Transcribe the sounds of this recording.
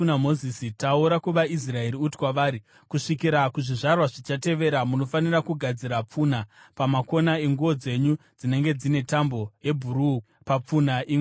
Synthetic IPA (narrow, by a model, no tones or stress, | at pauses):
namo̞zisitauɾakuʋais̬rae̞ɾiuti̥kwaʋaːɾi | kuʂikiɾakuʐiʐarwaʐit͡ʃate̞ʋe̞ɾamuno̞fanirakuɡʱad͡ziɾap͡funapamako̞nae̞ŋɡuʋo̞d͡ze̞ɲud͡zine̞ŋɡe̞d͡zine̞tambo̞je̞bʱuɾuːu | pap͡funaʔi